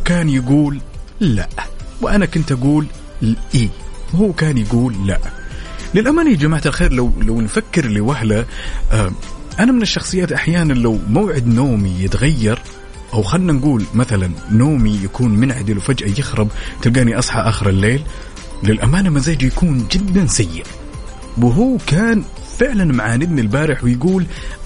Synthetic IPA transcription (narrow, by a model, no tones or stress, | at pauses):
kaːnjaɡuːlːa̰ʔwɪʔanakʊnt̪ʔaɡuːl | ʔiːwhuːkaːnjaɡuːlːaʔlɪlʔamaːnid͡ʒamaʕt̪alxeːɾlawlawnfakːɪɾliwahlaʔaʔanamɪnɪʃːɑxsˤɨjːaːt̪ʔaħjaːnanlawmawʕɪd̪noːmijɪt̪ɣajːɑɾˤ | ʔawxanːanɡuːlmaθalanːoːmijakuːnmɪnʕad̪ɪlwfad͡ʒʔajɪxɾɑbt̪ɪlɡaːʔniʔɑsˤħɑ̰ʔaːxɪɾalːeːl | lɪlʔamaːnamazaːd͡ʒjakuːnd͡ʒɪd̪ːansajːɪʔ | wɪɦuːkaːn | fɪʕlanmaʕaːnɪd̪nilbaːɾɪħwɪjɡuːl